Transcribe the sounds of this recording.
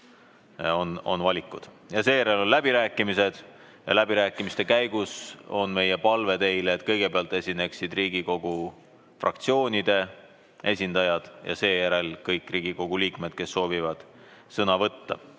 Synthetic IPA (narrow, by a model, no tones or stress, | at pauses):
o̞no̞̰nvɑlʲikːˑud̪̥ | jɑse̞ːjæɾe̞lo̞nlæbiɾæːkːˑimise̞d̪̥ | jɑlæbiɾæːkːˑimist̪e̞kæjɡuso̞nme̞je̞pɑlve̞t̪e̞jleːt̪kɤjɡ̥e̞peɑlt̪e̞sʲine̞ksid̪riːɡiko̞ɡ̥u | frʔɑ̰kt̪sio̞ːnʲid̪e̞ | ʔe̞sʲind̪̥ɑjɑd̪̥jɑ̰se̞ːjæɾe̞lkɤjkːˑriːɡ̥iko̞ɡ̥uliːkme̞d̪̥̚ke̞sːo̞ːvivɑd̪̥ | sɤnɑvɤt̪ːɑ̰